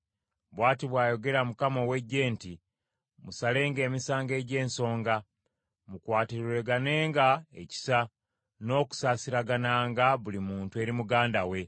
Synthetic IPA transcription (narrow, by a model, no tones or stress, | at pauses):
βwaːtiβwaːjo̞ɡe̞ɾamukamowe̞ɟe̞ːnti | musale̞ːŋɡe̞ːmisaːŋɡe̞ɟe̞ːnso̞ːŋɡa | mukwaːtiɾiɾe̞ɡane̞ːŋɡaḛci̥sa | no̞ːku̥saːsiɾaɡanaːŋɡaβulimuːntue̞ːɾimuɡaːndawe̞